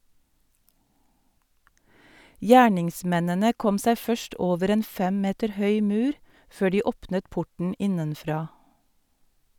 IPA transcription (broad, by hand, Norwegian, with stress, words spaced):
ˈjæːɳɪŋˌsmɛnənə ˈkɔm ˈsæɪ ˈfœʃt ˈoːʋəɾ ˈeːn ˈfɛm ˈmeːtəɾ ˈhœʏ ˈmʉːɾ ˈføː ˈɖiː ˈɔpnət ˈpʊʈɳ̩ ˈɪnənˌfɾɑː